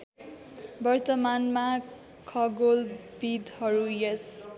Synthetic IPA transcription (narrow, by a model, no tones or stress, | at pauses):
bʌrt̪ʌmanma | kʰʌɡolbid̪hʌɾujʌs